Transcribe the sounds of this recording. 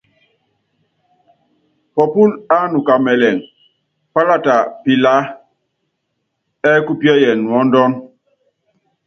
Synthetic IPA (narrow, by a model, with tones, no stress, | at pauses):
pɔ˨pu˦la˦nu˨ka˨mɛ˨lɛ˨ŋ | pa˦la˦˨ta˨pi˨la˦ | ɛ˦ku˦pjɛ˦jɛ˨nwɔ˨˦n˦dɔ˦n